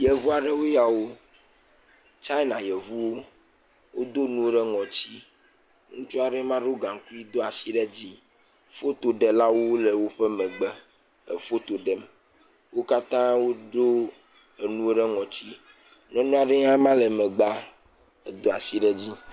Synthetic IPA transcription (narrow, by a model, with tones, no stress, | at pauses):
jɛ˨vu˦a˨ɖɛ˦wo˦ja˨wo˦ | t͡ʃa˦i˦nã˨jɛ˨vu˦wo˦ | wo˦d̪o˦nũ˦wo˦ɖɛ˦ŋɔ̃˨t͡ɕi˦ | ŋũ˦t͡ʃɔ˦a˨ɖɛ˦mã˦ɖo˦ɡã˨ŋ˨ku˦i˦d̪o˦a˨si˨ɖɛ˦d͡ʑi˦ | fo˦t̪o˨ɖɛ˨la˦wo˦le˨wo˦ɸe˦mẽ˨ɡ͡bɛ˨ | ḛ˨fo˦t̪o˨ɖɛ˦m | wo˦ka˦t̪ã˦wo˦ɖo˦ | e˨nũ˦o˦ɖɛ˦ŋɔ̃˨t͡ɕi˦ | nɔ̃˦nɔ̃˦a˨ɖe˦ŋã˦mã˦le˨mẽ˨ɡ͡ba˦ | e˨d̪o˦˨a˨si˨ɖɛ˦d͡ʑi˦